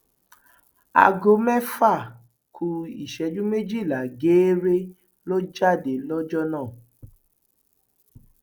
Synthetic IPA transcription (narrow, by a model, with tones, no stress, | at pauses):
a̰˨ɡo˧mɛ˦fa˦˨ | kʰu˧i˨ʃɛ˧d͡ʒũ˦me˦d͡ʒi˦˨la˨ɡeː˨˦ɾe˦ | lo˦d͡ʒa˦˨de˨lɔ˦d͡ʒɔ˦nãː˦˨